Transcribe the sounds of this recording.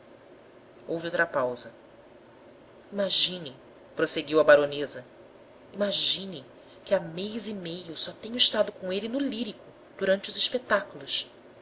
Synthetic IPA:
owviowt̪ɾɐpawzɐ | imaʒĩnɪ | pɾoseɡiwɐbaɾonezɐ | imaʒĩnɪ | kɪamejzimejʊsɔt̪ẽɲʊiʃt̪ad̪ʊkõelɪnʊliɾikʊ | d̪̥uɾɐ̃nt͡ʃɪʊziʃpet̪akulˠʊs

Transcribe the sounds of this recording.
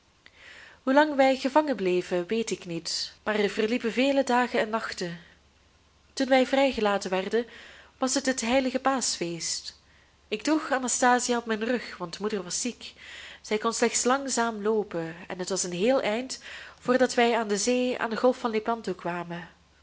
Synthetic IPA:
ɦulɑŋʋɛjɣəvɑŋəblejvəʋejtɪknitmaːrɛvərlipəveːlədaːɣənɛnːɑxtə | tunʋɛjvrɛjɣəlaːtəʋɛrdənʋɑsɦətɦətɦɛjləɣəpaːsfeːst | ɪɡ̚dɔxanastaːzijaɔp̚mɛjnrɵxʋɑntmudərʋɑsikz̥ɛjkɔnslɛxtslɑŋzaːmloːpəɛ̰nɦətʋɑsənɦeːlˠʔɛjntv̥ʊːrdɑtʋɛjaːndəzeːa̰ːndəɣɔlˠfɑnlepɑndokʋaːmə

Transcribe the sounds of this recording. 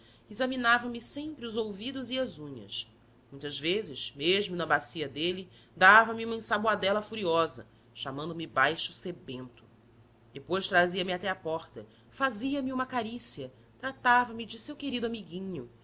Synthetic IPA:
izɐminavɐmɪsẽmpɾɪʊzowvid̪ʊziɐzũɲɐ̰s | mũj̃t̪ɐzvezɪʃmeʒmʊnɐbasiɐd̪eli | d̪avɐmiũmɐĩsaboad̪ɛlɐfuɾiɔzɐ̰ | ʃamɐ̃nd̪ʊmɪbajʃʊsebẽnt̪ʊ̥ | d̪epojʃt̪ɾaziɐmɪat̪ɛapɔχt̪ɐ | faziɐmɪũmɐkaɾisiɐ | t̪ɾat̪avɐmɪd͡ʒɪsewkeɾid̪ʊamiɡĩɲʊ

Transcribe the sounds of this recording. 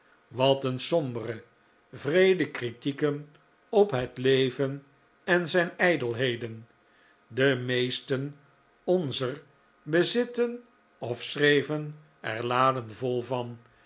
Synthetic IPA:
ʋɑtənsɔmbərə | vrejdəkritikən | ɔpɦətlejvən | ɛnzɛjnɛjdəlˠɦejdən | dəmejstən | ɔnzər | bəzɪtən | ɔfsrejvən | ɛ̰ɹlaːdənvɔlˠvɑn

